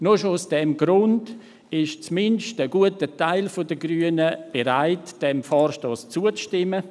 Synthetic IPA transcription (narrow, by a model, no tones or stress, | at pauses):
noʃoʊsd̥ɛmɡɾʊnd | ɪʃt͡smɪnʃtəɡuətətaɪlfodəɡɾyənəb̥eɾaɪtd̥ɛmfɔːɾʃtɔːst͡suət͡sʃtɪmːə